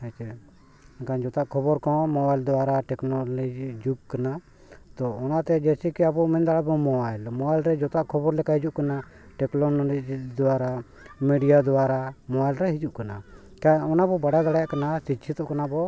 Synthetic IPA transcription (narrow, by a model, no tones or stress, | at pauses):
ɛt͡ʃɛ | kãd͡ʒɔt̪aʔkʰɔbɔɾkɔ̃mɔbajld̪ɔwaɾaʈɛknɔlɔd͡ʒd͡ʒuɡ̚kana | t̪ɔɔnat̪ɛd͡ʒɛsikiabɔmɛnd̪aɽabɔmɔbajlmɔbajlɾɛd͡ʒɔt̪aʔkʰɔbɔɾlɛkaɦid͡ʒuʔkana | ʈɛklɔnd͡ʒd̪ɔaɾa | miɖijad̪ɔaɾamɔbajlɾɛɦid͡ʒuʔkana | kãɔnabɔbaɽad̪aɽajaʔkanasit͡ʃʰit̪ɔʔkanabɔ